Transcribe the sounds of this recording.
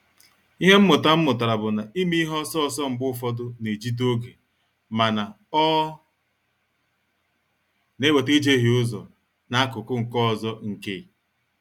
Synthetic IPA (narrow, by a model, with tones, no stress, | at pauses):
i˦ɦe˦m̩˦mʊ˨ta˦m̩˦mʊ˨ta˨ɾa˨bʊ˨na˨i˦mi˦ɦɔ˦sɔ˦ɔ˨sɔ˦m̩˨ɡ͡bʊ˦˨fɔ˦dʊ˦ne˨d͡ʒi˦do˦ɡe˨ | ma˨na˨ | ɔ˦ | ne˦we˨ti˦d͡ʒe˦ɦi˨ʊ˦zɔ˨ | na˦kʊ˨kʊ˦ŋ̩˨kɔ˦ɔ˨zɔ˦ŋ̩˨ke˦˨